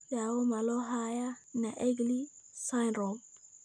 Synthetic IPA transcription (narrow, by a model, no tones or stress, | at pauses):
jawomaloɦajanaʔeɡlisajnɾɔm